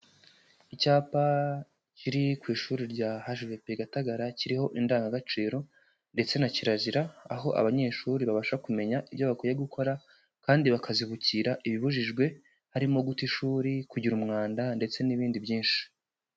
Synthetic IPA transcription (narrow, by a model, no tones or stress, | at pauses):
icaːpa | ciɾikwiːʃuːɾiɾɟahaʒvepeɡataɡaɾaciɾiho̞ʔindaːŋɡaɡat͡ʃiːɾo̞ | nde̞t͡se̞naciɾaziɾaːɦo̞ʔa̰βaɲe̞ːʃuːɾiβaβaʃakume̞ɲaʔiβjo̞βakujeɡukʰo̞ɾa | kaːndiβakʰaziβuciɾaʔiβiβuʒiʒɡwe̞ | haɾimo̞ɡutiʃuːɾikuɟiɾumŋaːndande̞t͡se̞niβiːndibjiːnʃi̥